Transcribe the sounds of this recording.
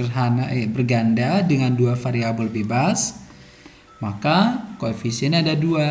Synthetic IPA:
ərɦanaʔbərɡandadəŋanduafaɾiabəlbebas | makakoefisiɛnɲaadadua

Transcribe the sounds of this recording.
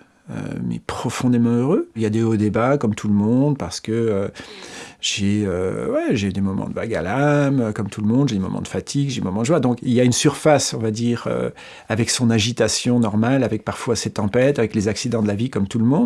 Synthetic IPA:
ø̰mɛ̰pχɔfɔ̃d̪emɑ̃øʁøiljad̪eod̪ebakɔmt̪ʰuləmɔ̃d̪̚paʁsə̥kəø | ʒ̥eø̰wɛʒed̪emɔmɑ̰̃d̪əva̰ɡa̰lamøkɔmt̪ʰulmɔ̃d̪ʒed̪emɔ̰mɑ̰̃d̪əfat̪ʰiɡʒed̪emɔmɑ̃d̪əʒwaʁd̪ɔ̃kiljaynsyʁfasɔ̃vad̪iːʁø̰ | avɛksɔ̃naʒit̪asjɔ̃nɔʁmalavɛk̚paʁfwaset̪ɑ̃pɛt̪avɛklezaksid̪ɑ̃d̪əlavikɔmt̪ulmɔ̃d̪

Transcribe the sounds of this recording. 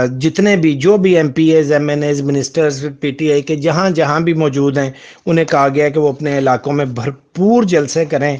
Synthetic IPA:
d͡ʒɪt̪nebʱid͡ʒoːbʱiɛ̃ːmpiːeːzɛːmɛːneːzmɪnɪsʈəɾzpiːʈiːaːiked͡ʒɐɦãd͡ʒɐɦãbʱimɔːd͡ʒuːd̪ɦɛ̃ː | ʊn̤ẽkɐɦaɡɪakeʋoːɐpneɪlaːkõmẽbʱɐɾpuːɾd͡ʒɐlsekɐɾẽː

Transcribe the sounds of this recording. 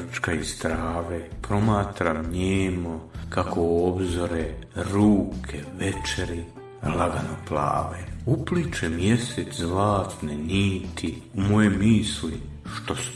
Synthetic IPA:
t͡ʃkaist̪ɾaːʋepɾo̞maːt̪ɾamɲeːmokakʰoobzo̞ɾeɾuːkʰeʋet͡ʃeɾi | laɡanopla̰ːʋeuplit͡ʃemje̞sezlaːt̪neniːt̪ʰiumo̞jemiːsli | ʃt̪o̞s

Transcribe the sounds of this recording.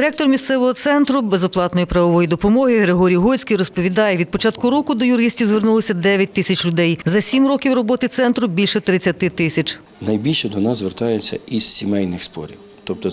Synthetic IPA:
ɪɾɛk̚t̪ɔrmʲist̪sɛʋɔɦɔt̪sɛnt̪ɾʊbezɔplˠɑt̪nɔjipɾɐʋɔʋɔjid̪ɔpɔmɔɦɪɦɾeɦɔɾʲijɦɔjʲt͡sʲkijɾɔspɔʋʲid̪ɑjɛʋʲid̪̚pɔt͡ʃɑt̪kʊɾɔkʊd̪ɔjʊɾɪsʲtʲiwzʋernulˠɔsʲɐd̪ɛʋʲjɐt̚ʲt̪ɪsʲɐt͡ʃlʲʊd̪ɛjzɐsʲimrɔkʲiwrɔbɔt̪ɪt̪sɛnt̪ɾʊbʲilʲʃɛt̪ɾɪt͡sʲːɐt̪ɪt̪ɪsʲɐt͡ʃ | nɐjbʲilʲʃɛd̪ɔnɑzzʋert̪ɑjet͡sʲːɐ̰izsʲimɛjnɪxspɔ̰ɾʲiw | t̪ɔp̚t̪ɔd

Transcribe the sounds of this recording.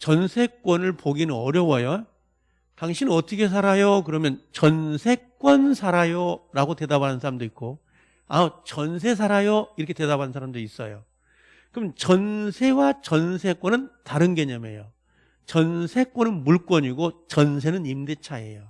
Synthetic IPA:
t͡ɕʌnsʰe̞k͈wʌnɯɭpoɡinɯnʌɾjʌwʌjo | taŋɕʰinɯnʌt͈ʌkʰe̞s̬ʰaɾajokɯɾʌmjʌnt͡ɕʌnsʰe̞k͈̚wʌnsʰaɾajoɾaɡote̞dabanɯnsʰaɾamdoit̚k͈o | at͡ɕʌns̬ʰe̞s̬ʰaɾajoiɾʌkʰete̞dabanɯnsʰaɾamdois͈ʌ̰jo | kɯmʌnt͡ɕʌnsʰe̞wat͡ɕʌnsʰe̞kwʌnɯntaɾɯnɡeɲʌme̞̰jo | t͡ɕʌnsʰe̞k͈wʌnɯnmuɭk͈wʌɲiɡot͡ɕʌns̬ʰe̞nɯnimdet͡ɕʰaḛjo

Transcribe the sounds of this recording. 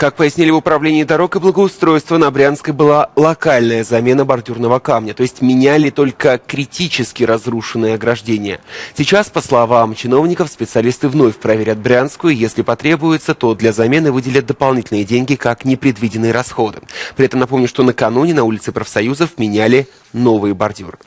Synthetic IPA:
kak̚pəjɪsʲnʲilʲɪvʊpɾɐvlʲenʲɪɪd̪ɐɾo̞kɨblˠəɡəʊst̪ɾo̞jst̪vənɐbɾʲanskəjbɨlˠalˠɐkalʲnəjəzɐmʲe̞nəbɐrdʲurnəvəkamnʲət̪o̞ɪsʲtʲmʲɪnʲælʲɪt̪o̞lʲkəkɾʲɪtʲit͡ɕɪskʲɪɾɐzruʂɨnːɨjəɐɡɾɐʐdʲenʲɪjə̰sʲɪt͡ɕaspəslˠɐvamt͡ɕɪno̞vnʲɪkəfspʲɪt̪sɨɐlʲist̪ɨvno̞fʲpɾɐvʲeɾʲat̪̚bɾʲanskʊjʊɪjesʲlʲɪpɐt̪ɾʲe̞bʊjɪt̪sət̪o̞d̪lʲazɐmʲe̞nɨvɨdʲɪlʲət̪̚d̪əpɐlˠnʲitʲɪlʲnɨjədʲenʲɡʲɪkaknʲɪpɾʲɪd̪vʲidʲɪnːɨjəɾɐsxo̞d̪ɨpɾʲɪɛt̪əmnɐpo̞mnʲʊʂt̪o̞nəkɐnunʲɪnɐulʲɪt̪sɨpɾəfsɐjuzəfmʲɪnʲælʲɪ | no̞vɨjəbɐrdʲurɨ

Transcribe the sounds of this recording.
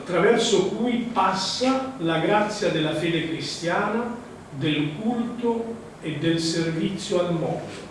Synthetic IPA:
at̪ːɾavɛrsokujpasːalaɡɾat̪sːjad̪elafeːd̪ekɾist̪jaːna | d̪elkult̪o | ed̪ːelservit̪sːjoalmɔt̪

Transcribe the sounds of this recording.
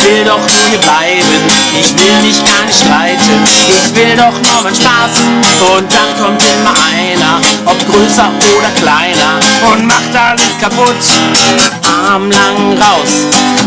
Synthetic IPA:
v̥ɪldɔχnuhiːɐblaɪbənʔɪçv̥ɪlmɪçɡ̥aɐnɪʃtʁ̥aɪtənʔɪçvɪldɔχnɔmanʃpaːsn̩ʊnt̚d̥ankʰɔmtʔɪmɐʔaɪnɐʔɔp̚ɡ̥ʁøːsɐʔoːɾɐklaɪnɐʔʊntmaχd̥aləskʰapʊt | ʔaɐmlaŋʁaʊs

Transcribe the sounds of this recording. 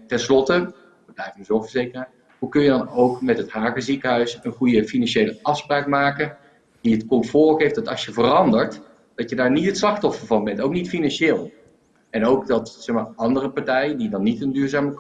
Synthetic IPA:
tɛnslɔtə | ʋəblɛjvənəzovəɹzejkəra | ɦukɵnjədɑnowkmɛtɦətɦaːkəzikəɦœɥsənχujəfinɑnʃejləʔɑfspraːkmaːkən | d̥itkɔmfʊːɹɣejfd̥ɑtɑsjəvərɑndəɹt | d̥ɑjədaːɹnitətslɑxtɔfənvɑnbɛntowknitfinɑnʃeːlˠ | ɛnowkdɑtsɛxmaːɹɑndərəpaɹtɛjədidɑnːitəndyːɹzaːmək

